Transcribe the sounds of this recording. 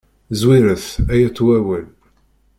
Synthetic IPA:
zwiɾəθæjæt͡sːwæwæl

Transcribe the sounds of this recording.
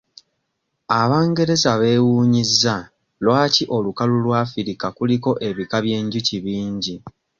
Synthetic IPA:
aβaːŋɡe̞ɾe̞zaβe̞ːwuːɲizːa | lwaːciʔo̞lukalulwafiɾikakuliko̞ʔe̞βikaβje̞ːɲɟuciβiːɲɟi

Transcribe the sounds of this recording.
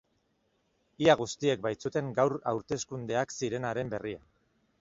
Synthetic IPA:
iaɣ̞ust̪ie̞k̚bajt͡sut̪e̞ŋɡawɾa̰wɾt̪e̞skund̪e̞aksiɾe̞naɾe̞mbe̞ria

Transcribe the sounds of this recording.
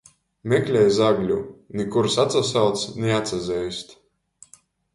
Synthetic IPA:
mɛklʲɛjzaɡlʲunikuɾsat̪sasawt̪snɛat̪sazʲɛjst̪

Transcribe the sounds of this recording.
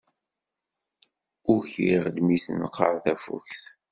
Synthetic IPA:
ʊçiʁd̪misnəqːəʕθæfṵçs

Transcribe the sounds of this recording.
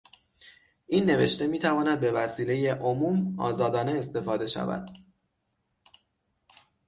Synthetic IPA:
ʔinːe̞ve̞ʃt̪e̞miːt̪ʰævɒːnæd̪̚be̞væsiːle̞je̞ʔomuːmɒ̰ːzɒːd̪ɒːne̞est̪e̞fɒːd̪e̞ʃæ̰væ̰d̪̥

